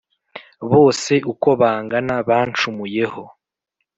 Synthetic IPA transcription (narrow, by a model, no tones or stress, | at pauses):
βo̞ːse̞ʔuko̞βaːŋɡanaβaːnt͡ʃumuje̞ho̞